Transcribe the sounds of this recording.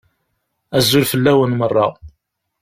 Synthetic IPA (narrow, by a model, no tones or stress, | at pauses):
æzːʊlfəlːæwənmərˤːɑ